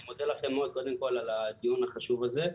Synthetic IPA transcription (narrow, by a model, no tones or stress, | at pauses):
mod̪elaχemod̪̚ko̞d̪e̞mko̞lalad̪ijunaχaʃuvaze